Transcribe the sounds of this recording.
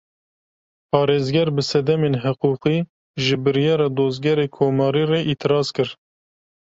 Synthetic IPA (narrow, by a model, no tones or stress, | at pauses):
pʰɑːɾeːzɡɛɾbɨsɛd̪ɛmeːnɦɨquːqiː | ʒɨbɨɾjɑːɾɑːd̪oːzɡɛɾeːkʰoːmɑːɾiːrɛʔiːt̪ʰɨɾɑːzkɨɾ